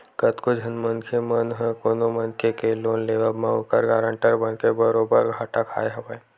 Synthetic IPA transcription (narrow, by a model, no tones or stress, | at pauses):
kət̪kod͡ʒʱənmənkʰemənɦɛ̃koːnomənkʰekeloːnleːʋəbmãʊkəɾɡaːɾə̃ɳʈəɾbənkebəɾoːbəɾɡʱaːʈakʰa̰ːeɦɐbəe